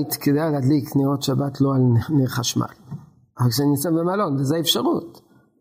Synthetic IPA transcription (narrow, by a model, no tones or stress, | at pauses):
t̪ked̪ajalad̪likniʁot̪ʃabat̪ʰloalneχaʃma̰l | avalkʃenisambemalonvezeefʃaʁut̪